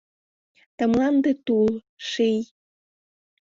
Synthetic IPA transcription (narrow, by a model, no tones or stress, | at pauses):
t̪əmlɑnd̪et̪ul | ʃij